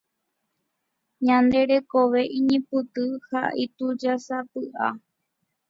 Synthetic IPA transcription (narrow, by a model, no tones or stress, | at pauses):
ɲãnd̪e̞ɾe̞koʋe̞ʔĩɲĩpɨt̪ɨha̰ʔit̪ud͡ʒasapɨʔa